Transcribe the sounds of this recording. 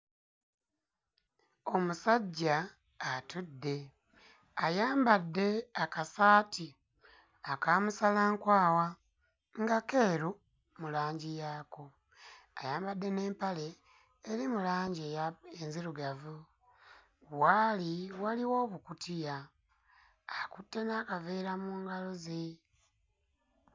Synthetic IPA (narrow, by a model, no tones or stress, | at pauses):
o̞musaɟːaː | tudːe̞ | ajaːmbadːe̞akasaːti | akaːmusalaŋkwaːwa | ŋɡake̞ːɾu | mulaːɲɟijaːko | a̰jaːmbadːe̞ne̞ːmpale̞ː | ɾimulaːɲɟejaenziɾuɡavu | waliwaliwo̞ːβukutija | akutːe̞naːkaveɾamuːŋɡalozi